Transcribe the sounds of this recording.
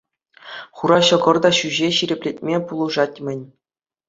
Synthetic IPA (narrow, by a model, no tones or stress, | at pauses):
χuɾɑɕɤ̆ɡɤ̆rd̪ɑɕyʑeɕiɾʲɘ̆pʲlʲet̚ʲmʲepulˠɤ̆ʐɑtʲmʲɘ̆nʲ